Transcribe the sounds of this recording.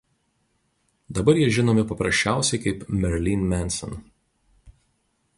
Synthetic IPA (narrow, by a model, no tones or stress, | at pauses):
d̪ɐbɐɾjiɛʒʲɪnoːmʲɪpɐpɾɐsʲt͡ʃʲæˑʊsʲɛɪkɐɪpmʲɛɾʲlʲinmʲɛnsɔ̰n